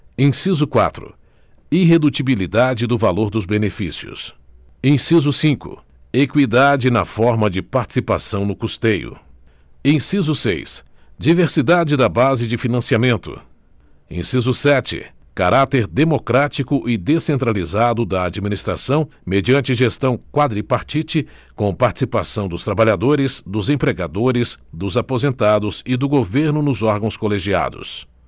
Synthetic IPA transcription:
ẽsizʊkwa̰t̪ɾʊ̰ | iɦed̪ut͡ʃibilid̪ad͡ʒɪd̪ʊvaloɾd̪ʊzbenefisiʊ̰s | ẽsizʊsĩkʊ̰ | ekwid̪ad͡ʒɪnɐfɔɾmɐd͡ʒɪpaɾt͡ʃi̥sipasɐ̃w̃nʊkust̪ejʊ̰ | ẽsizʊsḛjsd͡ʒiveɾsid̪ad͡ʒɪd̪ɐbazɪd͡ʒɪfinɐ̃siamẽnt̪ʊ̰ | ḛ̃sizʊsɛt͡ʃɪ̰ | kaɾat̪eɾd̪emokɾat͡ʃikʊʔɪd̪esẽnt̪ɾalizad̪ʊd̪ɐad͡ʒiminist̪ɾa̰sɐ̃w̃ | med͡ʒiɐ̃nt͡ʃɪʒest̪ɐ̃w̃kwad̪ɾipaɾt͡ʃit͡ʃɪ | kõpaɾt͡ʃi̥sipasɐ̃w̃d̪ʊst̪ɾabaʎad̪oɾɪzd̪ʊzẽpɾeɡad̪oɾɪzd̪ʊzapozẽnt̪ad̪ʊzɪd̪ʊɡoveɾnʊnʊzɔɾɡɐ̃w̃skoleʒia̰d̪ʊ̰s

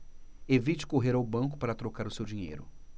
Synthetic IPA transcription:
evit͡ʃɪ̥koɦeɾawbɐ̃ŋk̬ʊ̥paɾɐt̪ɾokaɾʊsewd͡ʒĩɲḛjɾʊ

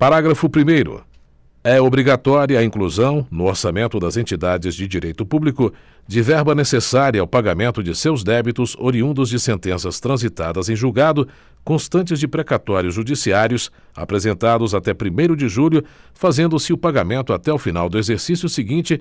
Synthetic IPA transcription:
paɾaɡɾɐfʊpɾimejɾʊ̰ | ɛobɾiɡat̪ɔɾjɐɐĩŋkluzɐ̃w̃nʊoɾsamẽnt̪ʊd̪ɐzẽnt͡ʃid̪ad͡ʒɪzd͡ʒɪd͡ʒiɾejt̪ʊpublikʊ | d͡ʒɪvɛɾbɐnesesaɾiɐawpaɡamẽnt̪ʊd͡ʒɪsewzd̪ɛbit̪ʊzoɾiũnd̪ʊzd͡ʒɪsẽnt̪ẽsɐst̪ɾɐ̃zit̪ad̪ɐzẽj̃ʒuɡad̪ʊ | kõst̪ɐ̃nt͡ʃɪzd͡ʒɪpɾekat̪ɔɾjʊzʒud͡ʒisiaɾjʊs | a̰pɾezẽnt̪ad̪ʊzat̪ɛpɾimejɾʊd͡ʒɪʒuʎʲʊfazẽnd̪ʊsɪʊpaɡamẽnt̪ʊat̪ɛʊfinawd̪ʊezeɾsisjʊsɪɡĩt͡ʃɪ

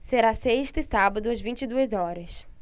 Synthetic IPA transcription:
seɾaseʃt̪ɪsabɐd̪ʊɐzvĩnt͡ʃɪd̪uɐzɔɾɐs

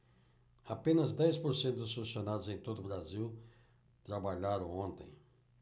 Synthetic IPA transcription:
apẽnɐzd̪ɛjspoɾsẽnt̪ʊd̪ʊsolusionad̪ʊzẽj̃t̪od̪ʊbɾaziw | t̪ɾabaʎaɾɐ̃w̃õnt̪ḛ̃j̃

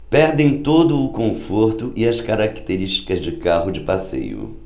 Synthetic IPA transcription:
pɛɾd̪ẽj̃t̪od̪ʊːkõfoɾt̪ʊʔɪɐskaɾakt̪eɾiʃt͡ʃi̥kɐzd͡ʒɪkaɦʊd͡ʒɪpasḛjʊ̰

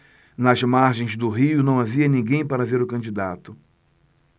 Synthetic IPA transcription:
nɐzmaɾʒẽj̃zd̪ʊɦiʊnɐ̃w̃aviɐnĩɡẽj̃paɾɐaveɾʊkɐ̃nd͡ʒid̪at̪ʊ

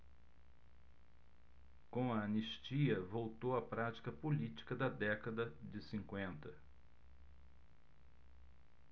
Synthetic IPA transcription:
kõw̃ɐɐneʃt͡ʃiɐvowt̪owɐpɾat͡ʃi̥kɐpolit͡ʃi̥kɐd̪ɐd̪ɛkɐd̪ɐd͡ʒɪsĩŋkwẽnt̪ɐ

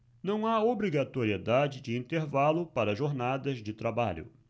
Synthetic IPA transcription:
nɐ̃w̃aobɾiɡat̪oɾied̪ad͡ʒɪd͡ʒɪĩnt̪eɾvalʊpaɾɐʒoɾnad̪ɐzd͡ʒɪt̪ɾabaʎʊ̰

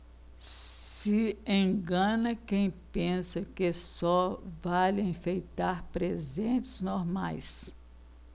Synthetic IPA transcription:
sɪẽɡɐ̃nɐkẽj̃pẽsɐkɪsɔvalẽfejt̪aɾpɾezẽt͡ʃɪ̥znoɾmajs

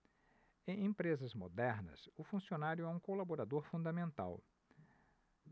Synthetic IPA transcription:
ẽj̃ẽpɾezɐzmo̰d̪ɛɾnɐ̰sʊfũsionaɾjʊɛũkolaboɾad̪oɾfũd̪ɐmẽnt̪a̰w

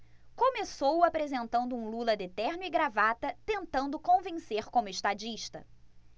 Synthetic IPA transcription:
kõmesowapɾezẽnt̪ɐ̃nd̪ʊũlulɐd̪et̪ɛɾnʊiɡɾavat̪ɐt̪ẽnt̪ɐ̃nd̪ʊkõvẽseɾkõmʊɪʃt̪ad͡ʒiʃt̪ɐ

